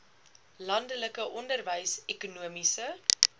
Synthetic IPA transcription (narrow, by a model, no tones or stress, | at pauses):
lɐndələkəʔɔndərvəjsɛkunuəmisə